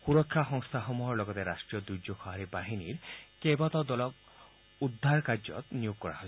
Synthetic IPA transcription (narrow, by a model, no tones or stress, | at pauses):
puɾɔkʰːaxɔŋst̪ʰaxɔmuɦɔɾlɔɡɔt̪eɾasʈɾijɔd̪ujd͡ʒokʰɔɦaɾibaɦiniɾkebɔt̪ɔd̪ɔlɔk | ud̪ʱːaɾkaɾd͡ʒɔ̰t̪nijoɡ̚kɔɾa̰ɦɔ